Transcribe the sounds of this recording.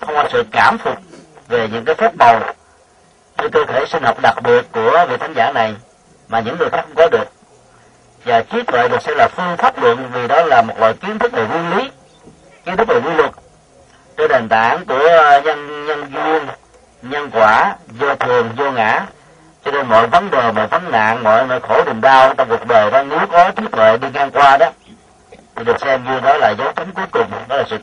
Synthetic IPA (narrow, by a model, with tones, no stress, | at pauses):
xə˧wŋ͡mha˨˩sɨ̰˧˨kaː˧˩mfu˨˩t̚ | ve˨˩ɲɨ̰˧˥ŋkaː˨˦jfaː˦˥t̚mə˨˩w | sɨ̰˧˨˩kəː˧t̪ʰe˧˩sï˧ŋ̟hə˨˩wk͡p̚ɗa˨˩k̚ɓi˨˩ət̚ku˧˩əvi˨t̪ʰa˨˦ŋzaː˧˩na˨˩j | maː˨˩ɲɨ̰˧˥ŋːɨ˨˩jxaː˦˥kṵ˧˦ŋ͡mkɔ˨˦ɗɨ˨˩ək̚ | vaː˨˩t͡ɕi˨˦˥ət̚wə̰˨˩jɗɨ˨˩k̚sɛ̰˧˥laː˨˩fɨ˧əŋfaː˦˥p̚lwə̰˧˨nvi˨˩ɗɔ˨˦laː˨˩mo˨˩t̚lə̰ː˧˨jki˨˦ənt̪ʰɨ˦˥k̚ve˨˩ŋwi˧nli˨˦ | ki˧˦nt̪ʰk̚ve˨˩wi˧lwə˨˩t̚ | te˧˩ɗe˨˩nt̪a̰ː˧˩nku˧˩əɲə˧nɲə˧nzwi˧ən | ɲə˧nkwaː˧˩zo˧t̪ʰɨ˨˩əŋzo˧ŋa̰ː˧˥ | t͡ɕɔ˧ne˧nmɔ̰ː˧˨jvə˨˦nɗəː˨˩jmɔ̰˧˨jvə˨˦nna̰ː˧˨ŋmɔ̰ː˧˨jnɔ̰˧˨jxo˧˩ɗï˨ŋɗaː˧wt͡ɕɔ˧wŋ͡mku˨˩ək̚ɗəː˨˩jɗɔ˨˦ne˨˦wkɔ˨˦t͡ɕi˨˦t̪ʰwḛ˧˨ɗi˧ŋaː˧ŋkwaː˧ɗɔ˨˦ | t̪ʰi˨˩ɗɨ˨˩ək̚sɛ˧mzi˧ə˧nɗɔ˨˦laː˨˩zə˨˦wt͡ɕə˨˦ŋ͡mku˨˦əjkʊ˨˩ŋ͡mɗɔ˨˦laː˨˩ɨ̰˧˨